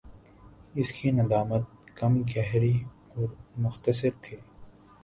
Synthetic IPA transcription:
ɪskinɐd̪aːmət̪̚ | kɐmɡɛɦɾi | ɔːɾmʊxt̪əsɪɾt̪ʰiː

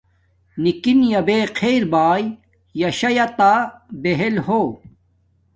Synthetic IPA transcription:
nikinjɐbeːqʰeːɾbaːj | jɐɕɐjɐt̪aːbeɦelhoː

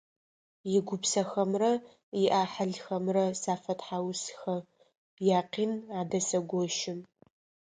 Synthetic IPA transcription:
jɪɡʷʊpsɐxɐmrɐ | jɪʔaːħaɮxɐmrɐsaːfɐtħaːwsxɐ | jaːqiːnaːdɐsɐɡʷɔʃɪm

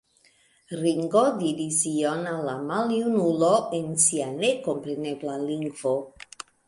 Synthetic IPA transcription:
ɾiŋɡodiɾisionalamaljunuloensianekompɾeneblaliŋɡvo

